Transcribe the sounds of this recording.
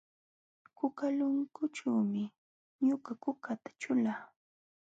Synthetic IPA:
kʊkalʊŋkʊt͡ʃaːmɪ | ɲʊɢakʊkat̪ḁt͡ʃʊlaː

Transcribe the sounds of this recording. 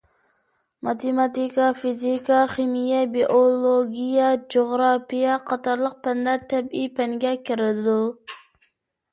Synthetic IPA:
mɑt̪ʰemɑt̪ikɑfizikɑχimijɛbiʔolˠoɡʲijɛd͡ʒoʁɾɑpijɛqʰɑt̪ʰɑɾlˠəq̚pʰɛnlæɾt̪ʰɛbijpʰɛŋɡʲɛkʲʰiɾɪd̪u

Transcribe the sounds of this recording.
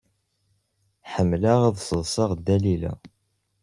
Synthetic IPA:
ħəmːlaʁaðsəðˤsˤɑʁd̪ːælilæ̰

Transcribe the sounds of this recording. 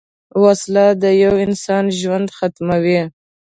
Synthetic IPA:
waslad̪əjawɪnsɑnʒwand̪xat̪mawi

